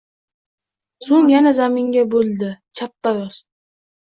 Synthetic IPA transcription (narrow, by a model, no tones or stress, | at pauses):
soŋjanazamɪŋɡʲabolˠd̪ɪt͡ʃʰapːaɾɒs